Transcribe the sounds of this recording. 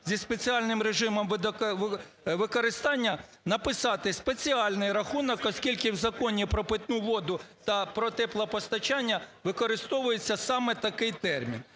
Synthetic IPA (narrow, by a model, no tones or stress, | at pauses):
zʲispe̞t͡sʲiɑlʲnɪmɾeʒɪmɔmʋd̪ | ʋɪkɔɾɪst̪ɑnʲːɐ | nɐpɪsɑt̪ɪspet͡sʲiɑlʲnɪjɾɐxunɔkɔsʲkʲilʲkɪwzɐkɔnʲipɾɔpɪt̪nuʋɔd̪ʊt̪ɐpɾɔt̪ɛplˠɐpɔst̪ɐt͡ʃɑnʲːɐʋɪkɔɾɪst̪ɔʋʊjet͡sʲːɐsɑmɛt̪ɐkɪjt̪ɛrmʲḭn